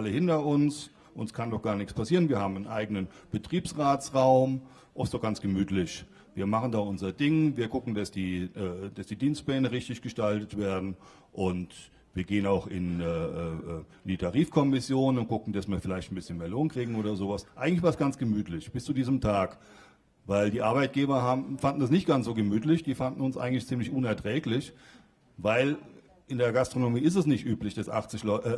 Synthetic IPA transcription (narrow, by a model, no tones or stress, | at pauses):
aləhɪntɐʊns | ʔʊnəskʰandɔχɡ̥aːɐnɪçspʰasiːʁənviːɐhaːbm̩anʔaɪɡənənb̥ətʁ̥iːpsʁaːt͡sʁaʊm | ʔɔfstd̥oɔχɡ̥ant͡sɡ̥əmyːtʰlɪç | viːɐmaχən̩daːʔʊnzɐdɪŋviːɐɡʊkŋ̩dasd̥iːʔɛːd̥asd̥iːdiːnst̚plɛːnəʁɪçtɪçɡ̥əʃtaltətv̥eːɐdn̩ | ʔʊnt | viːɐɡeːənaʊxɪ̰nɛːʔːʔː | ndiːtʰaʁiːfkʰɔmɪsjoːnʊnt̚ɡ̥ʊkŋ̩dasmiːɐfɪlaɪçtn̩bɪsçənmbeːɐloːnkʁ̥iːɡŋ̩oːɾɐzoːvasʔaɪŋ̩lɪçv̥aɐsɡ̥ant͡sɡ̥əmyːtʰlɪçb̥ɪst͡sudiːzəmtʰaːk | vaɪldiːʔaɐbaɪt̚ɡ̥eːbɐɦaːbmfandn̩das̬nɪçt̚ɡ̥ansz̥oːɡəmyːtlɪçd̥iːfandn̩ʊnsʔa̰ɪɡŋ̩tlɪçt͡siːmlɪçʔʊnɛɐtʁ̥ɛːklɪç | vaɪl | ʔɪndeːɐɡastʁ̥onomiːɪs̬tɛsnɪçtʔyːplɪçd̥asʔa̰χt͡sɪçlʔ